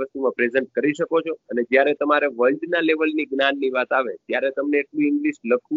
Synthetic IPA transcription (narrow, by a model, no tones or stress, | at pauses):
əst̪umãpɾezeɳʈ̚kəɾiʃəkot͡ʃʰoəned͡ʒjaɾet̪əmaɾeʋəlɖnaleʋəlniɡnanːiʋat̪aʋet̪jaɾet̪əmneːʈlũɪŋɡliʃləkʰu